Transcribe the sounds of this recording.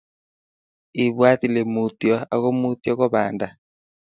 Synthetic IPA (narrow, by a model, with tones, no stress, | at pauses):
i˨βwa˦ti˨le˨mu˨tjɔ˦a˨ɣo˦mu˦tjɔ˦kɔ˦βa̰˨nda˨